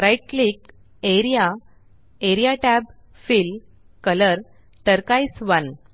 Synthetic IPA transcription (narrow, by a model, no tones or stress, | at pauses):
ɾajʈlik | eɾija | eɾijaʈæb | fil | kələɾ | t̪əɾkajsʋən